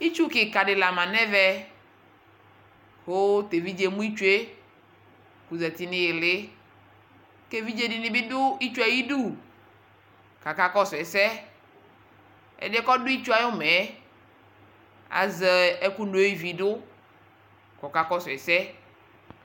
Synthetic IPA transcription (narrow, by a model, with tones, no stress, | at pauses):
i˦t͡ʃu˦kɪ˨ka˨ɖɪ˨la˨mã˨nɛ˦vɛ˦ | ho˦t̪e˨vi˦d͡ʒe˨mũ˦i˦t͡ʃu˦e˦ | ku˨zɛ˨t̪i˦nɪ̃˦jɪ˨lɪ˦ | ke˦vi˦d͡ʒe˦dɪ˨nɪ̃˨˦bɪ˦dʊ˦i˦t͡ʃu˦a˨ji˦du˦˨ | ka˨ka˦kɔ˦sʊ˨ɛ˨sɛ˦ | ɛ̰˨dɪ˦kɔ˦dʊ˦i˦t͡ʃu˦a˨jʊ˦mɛ˨˦ | a̰˨zɛ˨ɛ˦ku˦no˨˦i˦vi˨dʊ˦ | kɔ˨ka˨kɔ˦sʊ˨ɛ˨sɛ˦